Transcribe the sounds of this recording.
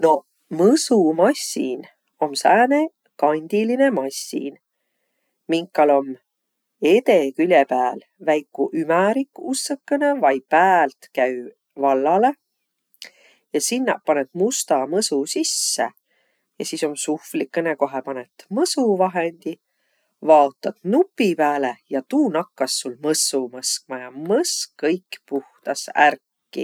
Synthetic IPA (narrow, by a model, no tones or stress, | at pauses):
no̞ | mɤsumɑsʲːḭn | o̞msæːne̞ | kɑnʲd̪̥iline̞mɑsʲːḭn | miŋkːˑɑlo̞m | e̞t̪e̞kylʲepæːl | væjkːˑuʔymæɾikːusːɤkːene̞vɑjpæːlt̪kæy | vɑlːɑle̞ | jɑsinːɑʔpɑnet̪must̪ɑmɤsusisːḛ | jɑsiso̞msuhflikːeneko̞ɦepɑnet̪ːmɤsuvɑɦend̪̥i | vɑot̪ːˑɑt̪nupːipæːlejɑt̪uːnɑkːɑsːulmɤsumɤsk̚mɑjɑmɤsɤjkːpuht̪ɑsæ̰rkːḭ